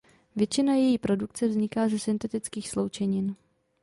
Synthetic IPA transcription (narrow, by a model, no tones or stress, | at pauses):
vjɛt͡ʃɪnajɛjiːpɾo̞duk̚t͡sɛvzɲɪkaːzɛsɪnt̪ɛt̪ɪt͡skiːxslowt͡ʃɛɲɪn